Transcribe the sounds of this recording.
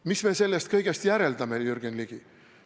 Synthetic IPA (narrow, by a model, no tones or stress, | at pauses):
misme̞se̞lːest̪kɤjɡe̞st̪jæɾe̞ld̪ɑmejyrɡ̥enliɡ̥i